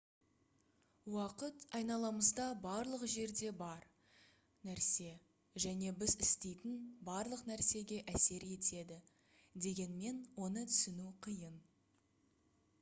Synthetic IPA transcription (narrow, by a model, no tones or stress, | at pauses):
wɑqət̪ɑjnɑlˠɑməzd̪ɑbɑɾlˠəqʒe̞ɾd̪e̞bɑɾ | næɾse̞ | ʒæne̞bɪzɪst̪e̞jt̪ɪnbɑɾlˠəqnæɾse̞ɡʲe̞ʔæse̞ɾe̞t̪e̞d̪ɪ | d̪e̞ɡʲe̞nme̞nwo̞nət̪ʰʏ̥sɪnuqʰəjən